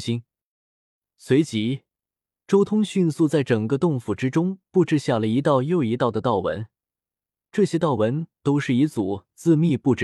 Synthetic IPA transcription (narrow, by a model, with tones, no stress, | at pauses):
ɕi˥n | swe˧˥ɪt͡ɕi˧˥ | ʈ͡ʂo˥ʊt̪ʰʊ˥ŋɕy˥˧nsu˥˧t͡sa˥˩ɪʈ͡ʂɤ˨˩ŋɡə˧˦t̪ʊ˥˩ŋfu˥˩ʈ͡ʂɻ̩˥ʈ͡ʂʊ˥ŋpu˥˧ʈ͡ʂɻ̩˥˧ɕja˥˩lə˩i˧˥t̪ɑ˥˧ʊjo˥˧ʊi˧˥t̪ɑ˥˩ʊd̪ə˩t̪ɑ˥˩ʊwə̰˧˥n | ʈ͡ʂɤ˥˩ɕjɛ˥t̪ɑ˥˩ʊwə˧˥nt̪o˥ʊʂɻ̩˥˩i˧˥t͡su˨˩t͡sɹ̩˥˧mi˥˧pu˥˩ʈ͡ʂ̩˥˩